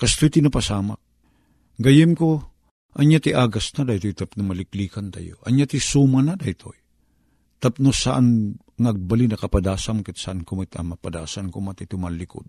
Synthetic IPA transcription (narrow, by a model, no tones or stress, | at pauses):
kɐst̪ojt̪ɪnapasaːma | ɡɐjɪmko | ʔɐɲjat̪iʔaːɡasnad̪ajt̪ojt̪apnomɐlɪkliːkant̪a̰jo̰ʔɐɲjat̪isuːmanad̪ajt̪ʰo̰j | t̪ɐp̚nosaʔan | ŋaɡ̚balinɐkɐpad̪aːsamkɛt̪saʔankʊmɪt̪a̰mɐpad̪a̰ːsankomat̪ɪt̪ʊmalːɪko̰d̪̚